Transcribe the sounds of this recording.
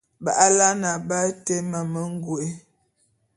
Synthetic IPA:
ba˨ʔa˦la˦na˨ba˦te˦ma˨mə˦ŋ˦ɡwe˦

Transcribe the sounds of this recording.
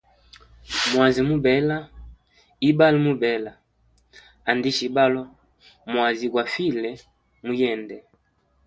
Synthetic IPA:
mwa˨zi˨mu˦bɛ˨˦la˦ | i˦ba˦li˦mu˦bɛ˨˦la˨ | a˨ndi˦ʃi˨ba˦lɔ˦ | mwa˨zi˨kwa˨fi˦lɛ˨ | mu˦jɛ˦˨ndɛ˨

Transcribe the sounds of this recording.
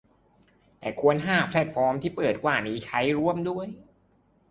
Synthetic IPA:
t̪ɛː˨˩kʰu˧ənɦaː˥˩pʰlɛ˧˥t̪̚fɔː˦˥mt̪ʰiː˥˩pɤː˨˩t̪̚kwaː˨˩niː˦˥t͡ɕʰa˦˥jɾu˥˩əmdu˥˩əj

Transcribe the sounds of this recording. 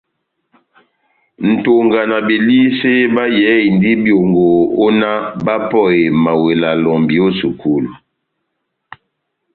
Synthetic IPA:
n̩˨to˨ŋɡa˨na˨be˨li˦se˦ba˦jɛ˨˦i˨n˦di˦bjo˨ŋɡo˨o˦na˦ba˦pɔ˦˨e˨ma˨we˨la˨lɔ˨mbi˨o˦su˨ku˦lu˨

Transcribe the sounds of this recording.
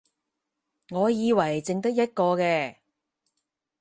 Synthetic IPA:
ŋɔː˨˧jiː˨˧wɐ˨˩jt͡sɪ˨˧ŋt̪ɐ˥k̚jɐ˥t̚kɔː˧kɛː˧

